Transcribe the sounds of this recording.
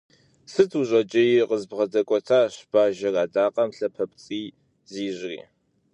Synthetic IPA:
sɨtʰuɕʼɐt͡ʃʼɐjiqəzbʁɐdɐkʷʼɔtʰaːɕb̥aːʒɐraːdaːqʼɐmɬɐpʰɐpʰt͡sʼiː | ziːʑrḭː

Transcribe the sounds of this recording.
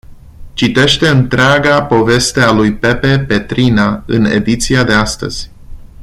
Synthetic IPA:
t͡ʃit̪e̞ʃt̪e̞ɨnt̪ɾeaɡapo̞ve̞st̪e̞alujpe̞pe̞pe̞t̪ɾinaɨ̰ne̞̰d̪it̪siad̪e̞ast̪ə̰z̥ʲ

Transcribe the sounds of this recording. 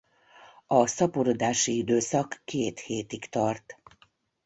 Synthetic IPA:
ɒsɒpoɾo̞d̪aːʃiid̪øːsɒkːeːt̪heːt̪ikt̪ɒrt̪

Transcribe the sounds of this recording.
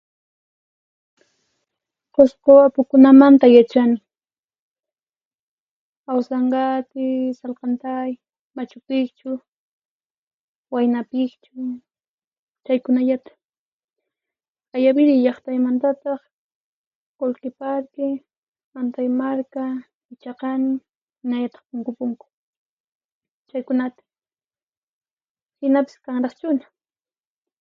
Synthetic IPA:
qosqoapʊkʊnamant̪ajat͡ʃanɪ | awsɑɴɢɑt̪ɪsalqɑnt̪aj | mat͡ʃʊpɪkt͡ʃʊ | wajnapɪkt͡ʃʊ | t͡ʃajkʊnaʎat̪ḁ | ajabɪɾɪʎɑχt̪ajmant̪at̪ɑχ | qolqɪpaɾkɪ | mant̪ajmaɾka | ɪt͡ʃɑqɑnɪ | mɪnaʎat̪ɑ̥χpʊŋkʊpʊŋkʊ̥ | t͡ʃajkʊnat̪ḁ | hɪnapḁskaŋɾɑχt͡ʃʊnḁ

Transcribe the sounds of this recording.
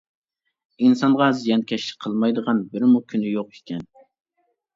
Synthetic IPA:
insɑnʁɑzijɛnkʲʰɛʃɪ̥qʰəlˠmɑjd̪əʁɑnbɪɾmukʲʰynɪjoqe̥kʲʰɛn

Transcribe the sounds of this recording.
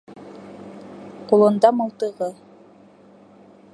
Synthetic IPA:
qulˠɤ̆nd̪ɑmɤ̆lˠt̪ɤ̆ʁɤ

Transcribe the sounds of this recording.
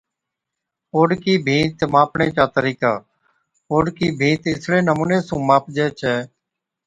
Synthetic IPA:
oːɖkiːbʱĩːt̪mãːpɳeːt͡ʃaːt̪əɾiːkaː | oːɖkiːbʱĩːt̪ɪsɽẽːnəmũːnẽːsũːmaːpd͡ʒeːt͡ʃʰɛː

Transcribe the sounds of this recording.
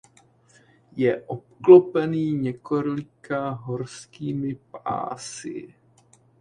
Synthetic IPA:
jɛʔop̚klo̞pɛniːɲɛkoɾlɪkaɦo̞ɾskiːmɪpa̰ːsɪ̰

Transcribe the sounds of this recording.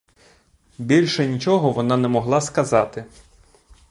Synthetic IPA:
bʲilʲʃɛnʲit͡ʃɔɦɔʋɔnɑnɛmɔɦlˠɑskɐzɑt̪ɪ

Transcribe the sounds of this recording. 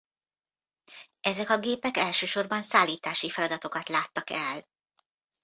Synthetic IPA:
ɛzɛkɒɡeːpɛkɛlʃøːʃo̞rbɒnsaːlːiːt̪aːʃifɛlɒd̪ɒt̪o̞kɒt̪laːt̪ːɒkɛl

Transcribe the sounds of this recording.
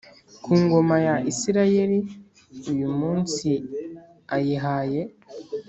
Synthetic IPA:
kʰuːŋɡo̞majaʔisiɾaje̞ɾi | ujumuːnsi | ajiɦaːje̞

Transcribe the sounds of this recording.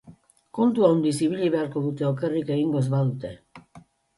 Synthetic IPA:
kont̪uaund̪isiβiʎiβeaɾkoðut̪eokerikeiŋɡos̬βaðut̪e

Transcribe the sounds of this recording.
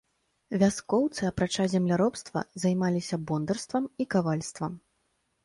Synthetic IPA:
vʲaskɔwt̪sɨɐpɾat͡ʂazʲɛmlʲaɾɔpst̪vɐ̰zajmalʲisʲɐbɔnd̪ɐrst̪vɐmikavalʲst̪vɐm

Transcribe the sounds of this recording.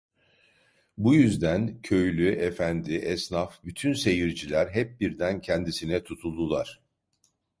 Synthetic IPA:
bujyzd̪æncʰø̞jlʲyʔefænd̪iʔɛsnafbyt̪ʰynse̞jiɾd͡ʒilʲæɾɦɛp̚biɾd̪æncʰɛnd̪isinɛt̪ʰut̪ʰulˠd̪ulˠaɾ̝̥

